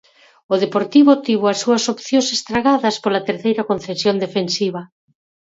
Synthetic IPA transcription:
oðepoɾt̪iβot̪iβ̞oɐsːuɐsopθjõsest̪ɾaɣaðɐspolɐt̪eɾθejɾɐkonθesjond̪efensiβɐ

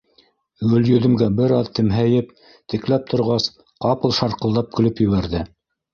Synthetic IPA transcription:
ɡɵ̆ljɵ̆ðɵ̆mɡæbɘɾɑðt̪ɘ̆mɦæjɘp̚ | t̪ɘ̆klæp̚t̪ʰŏɾʁɑs | qɑpɤ̆lˠʃɑɾqɤ̆lˠd̪ɑp̚kʰɵ̆lɵpjɵ̆βæɾðɘ

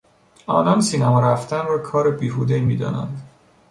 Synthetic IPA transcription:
ɒ̰ːnɒnsiːnæmɒɾæft̪ænrɒːkʰɒːɾebiːɦuːd̪emiːd̪ɒ̰ːnæ̰nd̪

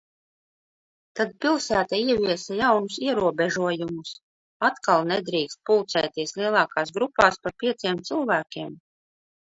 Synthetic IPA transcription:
t̪ad̪̚pilˠsæːt̪aiɛvʲiɛsajawnusiɛɾuɔbɛʒuɔjumus | at̪kalˠnɛd̪ɾiːkst̪̚pulˠt̪sɛjt̪iɛsliɛlˠɑːkaːsɡɾupːaːspaɾpʲiɛt̪siɛmt̪sɨlˠvæːkʲiɛm

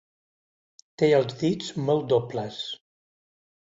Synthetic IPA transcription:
t̪eəlˠzðid͡zmɔlˠd̪opləs

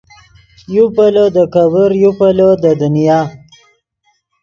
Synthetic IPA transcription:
jupalod̪əkabəɾjupalod̪əd̪ʊnijaː

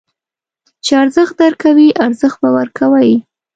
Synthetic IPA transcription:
t͡ʃeaɾzəxt̪̚d̪aɾkawiʔaɾzəxt̪̚bawaɾkʰawaj

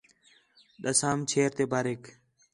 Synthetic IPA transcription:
ɗəsaːmt͡ʃʰeːɾt̪eːbaːɾeːk

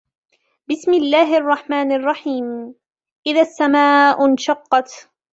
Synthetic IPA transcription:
bɪsmɪlːaːɦʔɑrˤːɑħmaːnɑrˤːɑħiːm | ʔɪðasːamaːʔʊnʃɑqːɑt̪

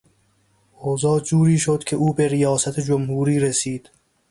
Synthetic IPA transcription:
oːzɒːd͡ʒuːɾiːʃod̪̥kʲʰe̞ʔuːbeɾijɒːsæt̪ʰed͡ʒomhuːɾiːɾesiːd̪̥

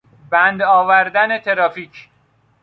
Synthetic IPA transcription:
bænd̪ɒːvæɾd̪ænet̪ʰeɾɒːfiːcʰ

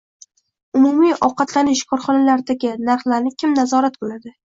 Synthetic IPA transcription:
ʊmʊmijɒwqɑt̪lanɪʃkʰɒɾχɒnalaɾd̪aɡʲɪnaɾχlaɾnɪkʲʰɪmnazɒɾat̪̚bolad̪ɪ

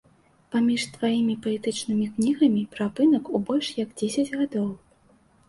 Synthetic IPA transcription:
pamʲiʂt̪vajimʲipɐlʲɛt̪ɨt͡ʂnɨmʲiknʲiɣɐmʲipɾapɨnɐkubɔlʲʂjɐɡd͡zʲesʲɐd͡zʲɣad̪ɔw

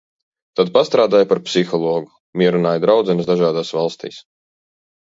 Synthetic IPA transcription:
t̪ad̪past̪ɾaːd̪aːjpaɾpsixɔlˠɔːɡu | mʲiɛɾunaːjd̪ɾawd̪zɛnsd̪aʒaːd̪aːsvalˠst̪ḭːs

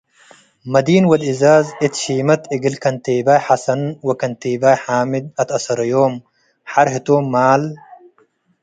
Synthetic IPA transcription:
mɐd̪iːnwɐd̪ɪzaːzit̪ʃiːmɐt̪iɡɪlkɐnt̪eːbaːjħɐsɐnwɐkɐnt̪eːbaːjħaːmɪd̪̚ɐt̪ɐsɐɾɐjoːm | ħaɾɦit̪oːmːaːl

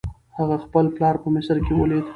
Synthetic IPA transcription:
haɣaxpəlplɑɾpəmɪsəɾkewəled̪

